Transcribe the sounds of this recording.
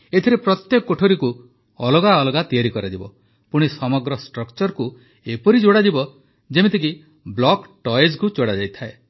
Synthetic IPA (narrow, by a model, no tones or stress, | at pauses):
et̪ʰiɾepɾɔt̪jekɔkːoʈʰoɾiku | ɔ̰lɔɡaɔlɔɡat̪iaɾikɔɾad͡ʒibɔ̰ | puɽ̃isɔmɔɡɾɔsʈɾɔkt͡ʃɔɾku | epɔɾid͡ʒoɽad͡ʒibɔ | d͡ʒemet̪ʰik̬i | blɔkʈɔeskut͡ʃoɽad͡ʒajt̪ʰae